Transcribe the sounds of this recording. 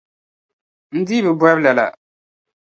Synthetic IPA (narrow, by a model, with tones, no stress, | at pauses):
n̩˦di˦bɨ˨bɛ˦bla˨la̰˨